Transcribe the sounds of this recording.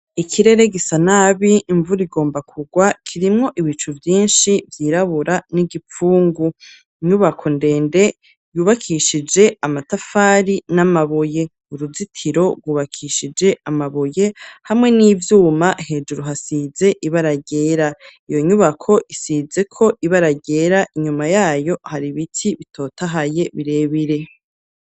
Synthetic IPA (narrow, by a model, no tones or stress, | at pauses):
ikʰiɾe̞ɾe̞ɡisanaβiːɱvuɾiɡo̞ːmbakʰuɡwakʰiɾimŋo̞ʔiβit͡ʃuvjiːnʃivjiːɾaβuɾaniɡip͡fuːŋɡu | iɲuβakʰo̞nde̞ːnde̞ | juːβakʰiʃid͡ʒe̞amatafaːɾinamaβoje̞ | uɾuzitʰiɾo̞ɾɡwuːβakʰiʃid͡ʒe̞amaβoje̞hamŋe̞niːvjuːmahe̞ːd͡ʒuɾuɦasize̞ʔiβaɾaɟe̞ːɾaijo̞ɲuβakʰo̞ʔisize̞kʰo̞ʔiβaɾaɟe̞ːɾaʔiɲumajaːjo̞haɾiβitʰiβitʰo̞ːtʰaɦaje̞βiɾe̞ːβiɾe̞